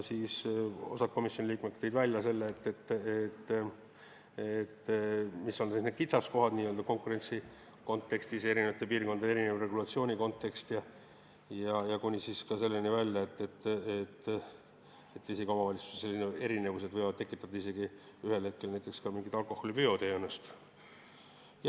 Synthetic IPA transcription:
siːso̞̰sɑt̪̚ko̞misjo̞nʲiliːkmet̪kt̪ejd̪vælʲjɑse̞lːeet̪ːe̞t̪ːet̪ː | et̪ːmisːo̞nselːisnet̪kit̪sɑsko̞ɦɑd̪̥nʲiːøld̪ɑko̞ŋkuɾe̞nʲt̪si | ko̞nt̪ːe̞kst̪ise̞ɾinevɑt̪ːˑepiːrko̞nɑeɾinevre̞ɡulɑt̪sio̞ːnʲiko̞nt̪ːe̞kst̪jɑ | jɑjɑkunʲisiskɑse̞lːenivælʲjːɑet̪ːe̞t̪ːet̪ː | et̪ːiseɡio̞mɑvɑlʲit̪su̥su̥se̥selːinee̞ɾine̞vuse̞d̪vɤjvɑd̪̚t̪e̞kːˑit̪ːˑɑd̪̥ɑise̞ɡ̥i | yɦe̞lhe̞t̪̚ke̞lnæjt̪ːˑe̞kskɑmiŋɡit̪ɑlko̞hːo̞lipyo̞t̪eenest̪ | j

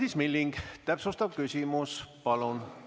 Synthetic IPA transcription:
d̪ismilːiŋɡ̥t̪æpsust̪ɑb̥̚kysʲimuspɑlun

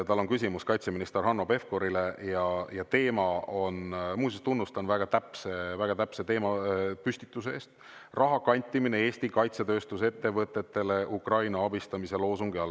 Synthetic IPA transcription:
t̪ɑlːo̞nkys̬ʲimuskɑjt̪seminist̪erɦɑnːo̞pe̞fko̞ɾile̞jɑjɑt̪e̞ːmɑo̞nmuːsist̪unːust̪ɑnvæɡ̥ɑt̪æpsevæɡ̥ɑt̪æpse̞t̪e̞ːmɑpysʲt̪i̥t̪ːˑus̬eeːst̪ | rʔɑɦɑkɑnʲt̪ʲːˑimine̞e̞ːst̪ikɑjt̪se̞t̪ø̞ːst̪us̬e̞t̪ːe̞vɤt̪ːˑe̞t̪ːe̞le̞ʔukrɑjnɑɑbist̪ɑmise̞lo̞ːsuŋɡ̥iɑl

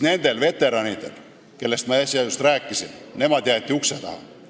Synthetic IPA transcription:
ne̞nd̪̥e̞lve̞t̪ːˑe̞ɾɑnid̪̥e̞l | ke̞lːe̞st̪mɑesʲjɑjust̪ræːkːˑisinne̞mɑd̪̥ʲjæːt̪ʲːˑiukset̪ɑ̰hɑ̰

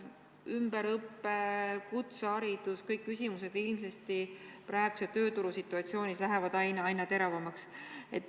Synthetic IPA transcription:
ymbeɾɤpːekut̪sɑɾid̪̥uskɤjkːysʲimuse̞d̪̥ilms̬est̪ipɾæːeɡ̥uset̪ø̞ːt̪uɾusit̪ːˑuɑt̪sio̞ːnislæɦevɑd̪̥ɑjnɑɑjnːɑt̪e̞ɾɑvɑmɑkse̞t̪ːˑ

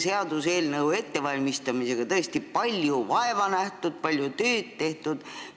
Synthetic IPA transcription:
se̞ɑd̪̥use̞ːlnɤwe̞t̪ːe̞vɑlʲmist̪ɑmise̞ɡ̥ɑt̪ɤest̪ipɑlʲjuvɑe̞vɑnæht̪ud̪̥̚pɑlʲjut̪øːt̪t̪ːe̞ht̪ud̪̥

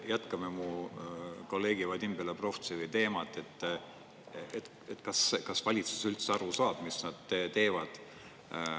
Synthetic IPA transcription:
jæt̪kɑmemu | ko̞lːe̞ːɡ̥ivɑd̪̥ʲimb̥elepro̞ft̪sivəjt̪e̞ːmɑt̪ːˑe̞t̪ːˑ | et̪ | et̪ːˑkɑskɑsvɑlʲit̪su̥sylt̪seɑɾusɑːb̥misnɑd̪̥et̪e̞ːvɑd̪̥

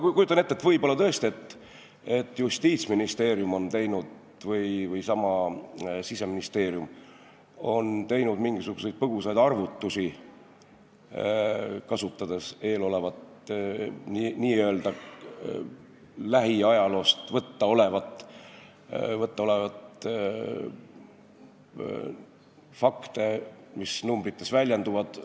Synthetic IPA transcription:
kujut̪ɑne̞t̪ːet̪vɤjbo̞lːɑt̪ɤ̞est̪ie̞t̪ː | e̞t̪ːˑjust̪iːt̪sminist̪eːɾjumo̞nt̪e̞jnud̪ | vɤjvɤjsɑmɑ | sise̞minist̪e̞ːɾjum | o̞nt̪e̞jnud̪̥miŋɡisuɡ̥use̞jd̪̥̚pɤɡ̥usɑjd̪̥ɑrvut̪ːusi | kɑsut̪ːɑd̪̥e̞se̞ːlo̞levɑt̪ | niniːøeld̪̥ɑ | læɦiɑjɑlo̞ːst̪vɤt̪ːɑo̞le̞vɑt̪ˑ | vɤt̪ˑːɑo̞le̞vɑt̪ | fɑkt̪e̞misnumbrit̪ːˑe̞svælʲjend̪uvɑd̪̥

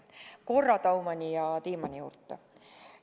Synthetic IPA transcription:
ko̞rːɑt̪ɑwmɑnʲijɑt̪iːmɑnʲijṵːrt̪ːˑɑ

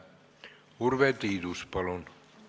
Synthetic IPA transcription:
urʋet̪iːd̪uspɑlon

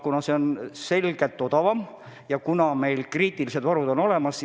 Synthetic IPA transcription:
kunɑseonse̞lɡ̥elt̪ːˑo̞d̪̥ɑvɑm | jɑkunɑme̞jlkriːt̪ˑilise̞d̪vɑɾud̪o̞no̞le̞mɑs

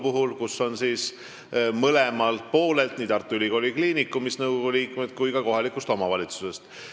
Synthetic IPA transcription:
puɦulkusːo̞nsiːs | mɤle̞mɑlt̪̚po̞ːle̞lt̪niːt̪ɑrt̪ːˑuylʲiko̞lʲikliːnikːˑumisnɤwɡoɡuliːkmed̪̥̚kujkɑko̞ɦɑlikˑust̪o̞mɑvɑlʲit̪su̥se̞st̪

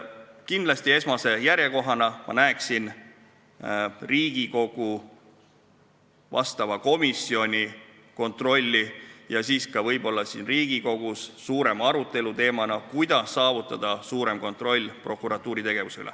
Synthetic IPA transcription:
kind̪lɑst̪ie̞smɑse̞jæɾje̞ko̞ɦɑnɑmɑ̰næeksin | riːɡ̥iko̞ɡ̥u | vɑ̰st̪ɑvɑko̞misːio̞nʲi | ko̞nt̪ˑro̞lʲːijɑsiːskɑvɤjb̥o̞lːɑsinriːɡ̥iko̞ɡ̥usːuːɾe̞mɑɾut̪ːˑe̞lut̪e̞ːmɑnɑkujd̪ɑsːɑːvut̪ːˑɑd̪̥ɑsuːɾe̞mko̞nt̪ːˑro̞lʲːpro̞kːˑuɾɑt̪ːˑuːɾit̪e̞ɡ̥e̞vusylʔḛ

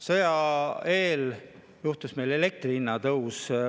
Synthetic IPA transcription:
sɤjɑe̞ːl | juht̪usme̞jlele̞k̚t̪riinːɑt̪ɤws

